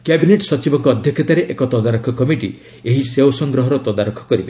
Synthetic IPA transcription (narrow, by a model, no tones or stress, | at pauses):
kebineʈsɔt͡ʃibɔŋkɔːd̪ʱjɔkʰet̪aɾeʔekɔt̪ɔd̪aɾɔkʰɔkɔmiʈḭ | eɦiseosɔŋɡɾɔɦɔɾɔt̪ɔd̪aɾokʰːɔ̥kɔɾibe